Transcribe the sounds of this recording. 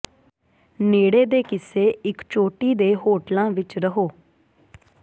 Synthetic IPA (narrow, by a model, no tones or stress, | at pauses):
neːɽeːd̪eːkɪseːɪkt͡ʃoːʈiːd̪eːɦoːʈlãːʋɪt͡ʃɾəɦoː